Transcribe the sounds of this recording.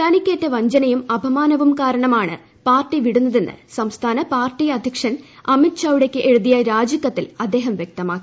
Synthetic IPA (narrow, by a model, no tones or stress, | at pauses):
t̪ɐnikʲːeːtːeʋɐɲd͡ʑɐnɐjumɐbʱɐmaːnɐʋumkaːɾɐɳɐmaːɳɨ̰ | paːrʈːiʋiɽunːɐðe̞nːɨ̰sɐmst̪ʰaːnɐpaːrʈːiɐd̪ʱjɐkʂɐnɐmitɕaʋuɽe̞kʲːɨʔeɻuðijɐɾaːd͡ʑɐkːɐt̪ːilɐd̪ːe̞ːɦɐmʋjek̚t̪ɐmaːkːi